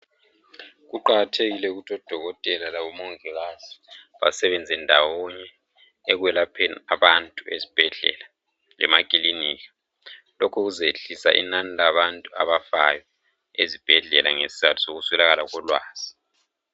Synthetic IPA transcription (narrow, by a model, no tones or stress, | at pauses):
ɣuǃaɣatʰeɣilɛuɣutʰɔd̥ʱɔɣɔtʼɛlalaβɔmɔŋɛɣaz̥iβa̰sɛβɛnd͡zʱɛndʱawɔɲɛː | ɣwɛlapʰɛnaβantʼuezib̥ʱɛɮɛ̰la | lɛ̰makʼiliniːka | lɔkʰuɣuzeɬisa̰ʔḭnanilaβantʼua̰βafa̰jɔ | ezib̥ʱɛɮɛla̰ŋesi̥zatʰu̥soɣusɛlaɣalaɣɔlwaːz̥i